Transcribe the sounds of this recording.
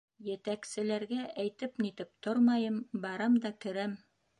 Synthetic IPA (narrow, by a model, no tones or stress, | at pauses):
jɘ̆t̪æksɘ̆læɾɡæʔæjt̪ɘpnit̪ɘp̚t̪oɾmɑjɤmbɑɾɑmd̪ɑkɵ̆ɾæm